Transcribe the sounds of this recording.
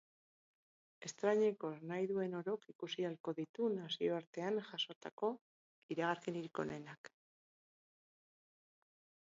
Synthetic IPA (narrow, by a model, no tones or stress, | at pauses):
e̞st̪ɾaɲe̞ko̞najðue̞no̞ɾo̞kikusialko̞ðit̪unasio̞aɾt̪e̞anʝaso̞t̪ako̞ | iɾaɣ̞aɾkeniɾiko̞̰ne̞nak